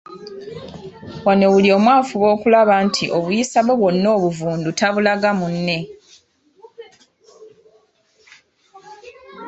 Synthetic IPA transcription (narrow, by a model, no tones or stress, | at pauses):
wanewulio̞ːmwaːfuβo̞ːkulaβaːntʰiʔo̞βujisaβeβwo̞nːo̞ːβuvuːndutaβulaɡamunːe̞